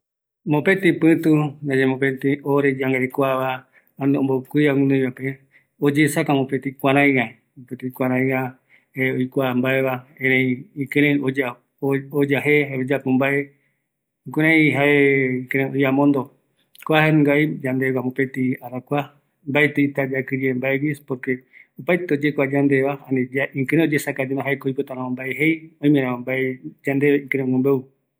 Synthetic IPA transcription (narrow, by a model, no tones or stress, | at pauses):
mopet̪ipɨ̃t̪ud͡ʒad͡ʒemõpet̪ioɾed͡ʒaŋɡaekʷaβaː | nd̪eombokʷiaŋũnũβape | od͡ʒesakãmopet̪ikʷaɾãj̃ɡa | opet̪ikʷaɾ̃ãj̃a | eojkʷambaeβaẽɾẽjikɨ̃ɾẽod͡ʒa | od͡ʒaɦeeod͡ʒapũmbae | kuɾ̃ãĩɦaekeɾẽojamõnd̪o | koaheñɡaid͡ʒand̪eɡamõpet̪iaɾakʷa | mbaet̪eit̪ad͡ʒakɨd͡ʒiembaewispoɾkeupajt̪eod͡ʒekʷad͡ʒand̪eβaanẽd͡ʒaĩkɨ̃ɾ̃ẽod͡ʒesakad͡ʒemãɦaekoojpot̪ãɾãõmbaeɦejõĩmẽɾãõmbaed͡ʒand̪eĩkeɾ̃ẽmõmbeu